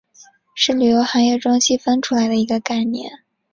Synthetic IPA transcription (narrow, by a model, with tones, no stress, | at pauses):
ʂɻ̩˥˩ly˨˩jo˧˥ʊxɑ˧˥ŋjɛ˥˩ʈ͡ʂʊ˥ŋɕi˥˩fə˥nʈ͡ʂʰu˥la˧˥ɪd̪ə˧i˧˥ɡə˧ka˥˩ɪnjɛ̰˥˩n